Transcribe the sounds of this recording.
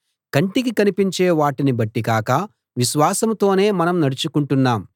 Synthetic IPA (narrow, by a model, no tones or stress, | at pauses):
kɐɳʈikikɐnipiɲt͡ʃe̞ːʋaːʈinibɐʈːikaːkɐ | ʋiʃʋaːsɐmt̪o̞ːne̞ːmɐnɐmnɐɽut͡ʃukuɳʈunːaːm